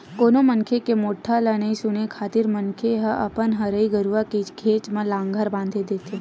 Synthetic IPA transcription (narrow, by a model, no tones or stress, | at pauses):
koːnoməŋkʰekemoːʈʰːalənəisʊnekʰaːt̪ɪɾmənkʰeɦəʔɐpənɦəɾəiɡəɾuʋakeɡʱeːt͡ʃmãlãːŋɡʱəɾbãːnd̪ʱed̪eːt̪ʰe